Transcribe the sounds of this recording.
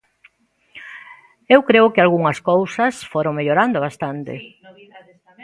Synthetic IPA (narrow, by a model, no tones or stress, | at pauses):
ewkɾeʊkɪalɣuŋɐskowsɐsfoɾõŋmeʎoɾand̪oβast̪ant̪ɪ̰